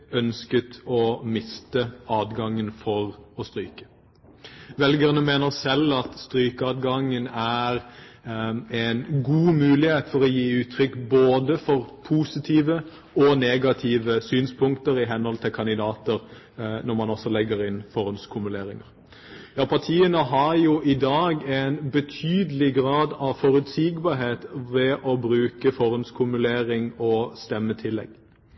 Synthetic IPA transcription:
œnskət̪ɔmɪst̪əɑːd̪ɡɑŋːənfɔʁɔst̪ɾyːkə̥ | ʋɛlɡəʁənəmeːnəʁsɛlɑt̪st̪ɾyːkəɑd̪ɡɑŋːənæɾ | ɛnɡuːmʉːlɪheːt̪fɔʁɔjiːʉːt̪ʰɾʏkboːd̪əfɔʁpʰuːsɪt̪ʰiːʋə | ɔneːɡɑt̪ʰiːʋəsyːnspʰʊŋkt̪əɾɪɦɛnhɔlt̪ʰɪlkʰɑnɪd̪ɑːt̪əɾ | nɔɾmɑnɔsːɔlɛɡːəɾɪnfɔɾʉnskʰʊmʉleːɾɪŋə̰ɾ | jɑːpʰɑʁt̪ʰiːənəɦɑɾjuʔɪd̪ɑːɡɛnbət̪ʰyːd̪əlɪɡʁɑːd̪ɑʋfɔɾʉt̪siːɡbɑɾɦeːt̪ʋɛʔɔbɾʉːkəfɔɾʉnskʰʉmʉleːɾɪŋɔst̪ɛmːət̪ʰɪlːɛ̰ɡ̥

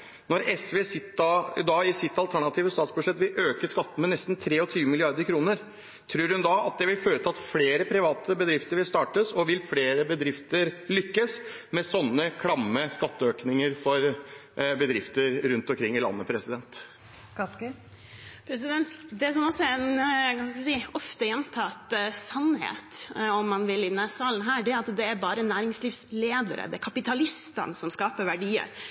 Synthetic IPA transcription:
nɔɾɛsʋeːsɪt̪ɪd̪ɑːɪsɪt̪ːɑlt̪ʰæɳɑt̪ʰiːʋəst̪ɑːt̪sbʉʂɛt̪ːʋɪlʔøːkəʂkɑt̪ːəmɛnɛst̪n̩t̪ʰɾeːɔt̪ʰyːʋəmɪlɪɑɾd̪əɾkʰɾuːnəɾ | t̪ʰɾʉːɾhʉnd̪ɑɑt̪̚d̪ɛʋɪlføːɾət̪ʰɑɑt̪fleːɾəpʰɾɪʋɑːt̪ʰəbəd̪ɾɪft̪əɾʋɪlst̪ɑːʈəsɔʋɪlfleːɾəbəd̪ɾɪft̪əɾlʏkːəs | mɛsɔnːəkʰɽɑmːəskɑt̪ːəøːknɪŋəɾfɔɾ | bəd̪ɾɪft̪əɾɾʉnt̪ɔmkʰɾɪŋːɪlɑ̰nːəpʰɾɛsɪd̪ɛnt̪ | kɑk | pʰɾɛs̬ɪd̪ɛnt̪d̪ɛsɔmɔsɔɛnkɑnsksiːɔft̪əjɛnt̪ʰɑt̪sɑnhḛːt̪ɔmːɑnʋɪlɪnɛsɑːln̩ɦæːɖɛɑt̪d̪ɛæɾbɑːɾənæːɾɪŋsliːfsleːd̪ə̰ɾə̰d̪ɛækʰɑpɪt̪ʰɑlɪst̪ə̰nsɔmskɑːpəɾʋæɖiːə̰ɾ

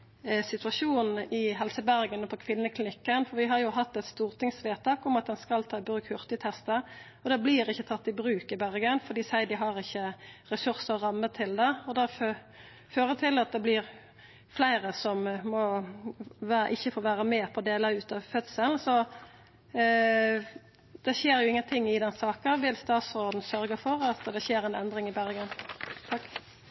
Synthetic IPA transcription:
sɪt̪ʉɑʃuːnn̩ɪɦɛlsəbæʁɡənɔpʰɔkʰʋɪnːəkʰlɪnɪkːənfɔɾʋɪɦɑɾjʊɦɑt̪ːɛt̪st̪uːʁt̪ʰɪŋsʋeːt̪ʰɑːkʊmɑt̪̚d̪ɛnskɑlt̪ʰɑːɪbɾʉːkhʉʁt̪ɪt̪ʰɛst̪ə | ɔd̪ɛbliːɾɪçːət̪ʰɑt̪ːɪbʁʉːkɪbæʁɡənfɔɾd̪iːsæɪd̪ɪɦɑʁɪçːəɾɛsʉɾsəɔʁɑmːət̪ʰɪld̪ɛɔd̪ɛfø | føːɾət̪ʰɪlɑt̪̚d̪ɛblɪʁ | flæɪɾəsɔmmɔ | ʋæʔɪçːəfoːʋæːɾəmeːpʰɔd̪eːləʉːt̪ɑʋfœt̪səln̩sɔ | d̪̥ɛɕeːɾjʊɪŋːənt̪ʰɪŋːɪd̪ɛnsɑːkəʋɪlst̪ɑːt̪sɾoːd̪n̩sœɾɡəfɔɾɑt̪d̪ɛçeːɾæɪnɛnd̪ɾɪŋɪbæɾɡənt̪ʰɑkː

